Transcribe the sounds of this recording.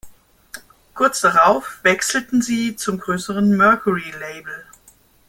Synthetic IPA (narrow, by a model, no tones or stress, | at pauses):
kʰʊɐt͡sd̥aʁaʊfv̥ɛksl̩tn̩ziːt͡sʊmɡʁøːsəʁənmœɐkuʁileɪbl̩